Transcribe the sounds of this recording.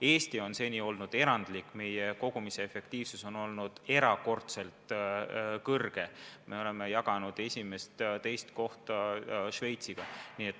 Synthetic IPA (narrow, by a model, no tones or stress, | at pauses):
e̞ːst̪io̞nse̞ːnʲio̞lnud̪̥e̞ɾɑnd̪̥likːˑme̞je̞ko̞ɡ̥umise̞efe̞kt̪iːvsuso̞no̞lnud̪̥e̞ɾɑko̞rt̪se̞lt̪ | kɤrɡ̥e̞mʔe̞o̞le̞me̞jɑɡ̥ɑnud̪̥e̞sʲime̞st̪t̪e̞jst̪ko̞ht̪ɑʃve̞jt̪siɡ̥ɑniːe̞t̪ːˑ